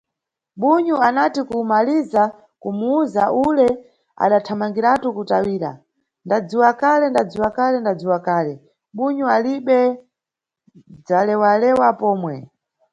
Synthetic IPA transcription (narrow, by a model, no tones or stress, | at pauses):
ɓuɲuanatikumaliza | kumuuzaʔulɛ | a̰ɗatʰamaŋɡiɾatukutawiːɾa̰ | ndad͡ziwakalɛndad͡ziwakalɛndad͡ziwakaːlɛ | ɓuɲualiɓɛ | d͡zalɛwalɛwapɔːmwɛ